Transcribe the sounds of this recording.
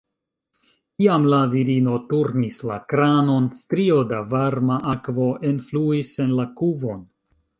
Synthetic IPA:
kiamlaviɾino̞tuɾnisla̰kɾano̞nstɾio̞davaɾmaʔakvo̞ʔenfluise̞nlakuvo̞n

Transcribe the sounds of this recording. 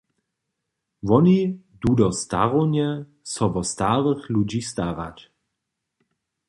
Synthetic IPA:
vɔni | dudɔst̪a̰ʁonɛ | sɔvɔstaʁəxlud͡ʑistaʁa̰t͡ɕ

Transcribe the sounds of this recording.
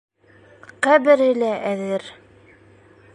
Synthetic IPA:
qæbɘ̆ɾɘlæʔæðɘɾ

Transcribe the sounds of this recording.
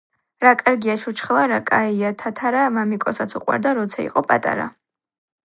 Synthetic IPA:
ɾakʼaɾɡiaʃut͡ʃʰχlˠaɾakʼaiat̪ʰat̪ʰaɾamamikʼɔsat̪sʰuqʼwa̰ɾd̪aɾɔt̪sʰaḭqʼɔpʼa̰t̪ʼa̰ɾa̰

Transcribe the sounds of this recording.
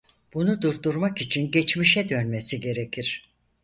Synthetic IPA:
b̥unud̪uɾd̪uɾmakit͡ʃʰinɟɛt͡ʃmiʃɛd̪ø̞nmesiɟe̞ɾecʰiɾ̥

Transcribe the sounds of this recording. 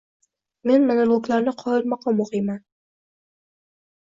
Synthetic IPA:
mɪnmɪnalwʊklaɾnɪqʰɑɪlmɑqʰɑmːʊʁiːman

